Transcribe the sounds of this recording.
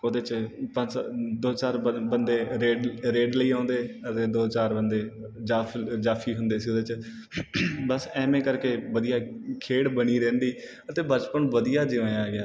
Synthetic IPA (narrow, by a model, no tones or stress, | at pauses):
od̪eːt͡ʃpəd̪oːt͡ʃaːɾbənd̪eːɾeːɖɾeːɖləiːãːnd̪eːət̪eːd̪oːt͡ʃaːɾbənd̪eː | d͡ʒaːfʰd͡ʒaːpʰiːɦʊnd̪eːsiːod̪eːt͡ʃ | bəsɛːmẽːkəɾkeːʋəd̪ijaːkʰeːɽbəɽiːɾɛ̃ːnd̪iː | ət̪eːbət͡ʃpənʋəd̪ijaːd͡ʒɪãːjaːɡɪjaː